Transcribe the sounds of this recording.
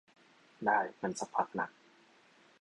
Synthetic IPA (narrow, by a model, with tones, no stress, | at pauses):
daː˨˩jma˧˨nsa˧pʰaː˦˧p̚na̰˧˩k̚